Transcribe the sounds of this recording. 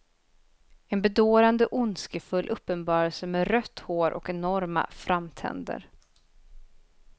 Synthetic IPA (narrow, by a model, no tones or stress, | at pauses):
ɛnbɛd̪oːɾand̪əʔʊnskəfɵlːʔɵpːənbɑːɾəlsəmeːɾœt̪ːhoːɾʔɔ̰kɛnɔɾma̰fɾamt̪ʰɛ̰nd̪ə̰ɾ